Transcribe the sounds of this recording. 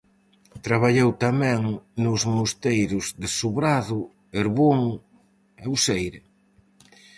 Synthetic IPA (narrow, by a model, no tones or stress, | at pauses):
t̪ɾaβaʎewt̪amɛ̃ŋnʊzmust̪ejɾʊzðɪsuβɾaðʊ | eɾβoŋ | ewsejɾɪ